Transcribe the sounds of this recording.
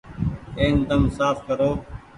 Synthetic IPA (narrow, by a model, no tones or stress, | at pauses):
eːnd̪əmsaːfkəɾoː